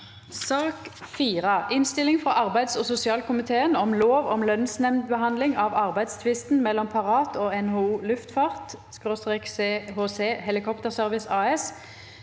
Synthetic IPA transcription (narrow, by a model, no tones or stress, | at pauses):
sɑːkfiːʁəʔɪnst̪ɪlɪŋfʁɑʔɑʁbæɪd̪sɔːsʊsɪɑːlkʰʊmɪt̪ʰeːənɔmloːʋɔmlœnsnɛmd̪̚bəɦɑnd̪lɪŋɑːʋɑʁbæɪd̪st̪ʰʋɪst̪n̩mɛlːɔmpʰɑʁɑːt̪ʰoːɛnhoːuːlʉft̪fɑʁt̪skʁoːst̪ʁeːkseːhoːseːhɛlɪkʰɔpt̪əʁsœʁʋɪsɑːɛs